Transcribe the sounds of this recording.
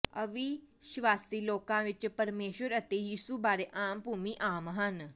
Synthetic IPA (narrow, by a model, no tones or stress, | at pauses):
ɐʋiʃʋaːsiloːkãʋɪt͡ʃpɐɾmeːʃəɾət̪ejiːsubaːɾeʔaːmpuːmiʔaːmɦən